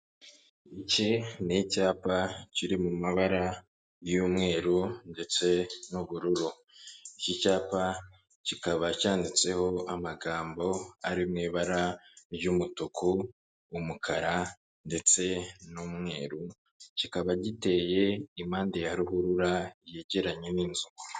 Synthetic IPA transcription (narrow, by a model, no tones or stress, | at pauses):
icenicaːpaciɾimumaβaɾa | juːmŋe̞ːɾunde̞t͡se̞nuβuɾuɾu | icicaːpa | cikaβacaːndit͡se̞ho̞amaɡaːmbo̞aɾimŋiːβaɾaɾjumutukʰuː | mukʰaɾa | nde̞t͡se̞nuːmŋe̞ːɾu | cikaβaɟite̞ːje̞imaːndejaɾihuɾuɾajeɟe̞ɾaɲeniːnzuɡo